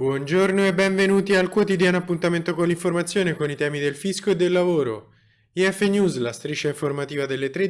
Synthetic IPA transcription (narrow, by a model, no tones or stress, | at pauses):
bwɔnd͡ʒornoebːɛɱvenuːt̪ialkwot̪id̪jaːnoapːunt̪ament̪okonlːiɱformat̪sjoːnekonit̪ɛːmid̪elfiskoed̪ːelːavoːɾo̰ | iɛfːenjuːzlast̪ɾit͡ʃeiɱformat̪iːvad̪elːet̪ɾe